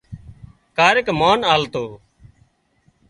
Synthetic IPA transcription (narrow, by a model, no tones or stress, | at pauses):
kaːɾɪkmaːnaːlt̪oː